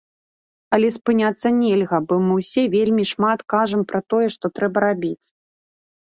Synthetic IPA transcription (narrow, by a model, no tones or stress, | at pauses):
ɐlʲɛspɨnʲat̪sːɐnʲɛlʲɣɐbɔmɨwsʲɛvʲelʲmʲiʂmat̪kaʐɐmpɾɐt̪ɔjɛʂt̪ɔt̪ɾɛbɐɾabʲit͡sʲ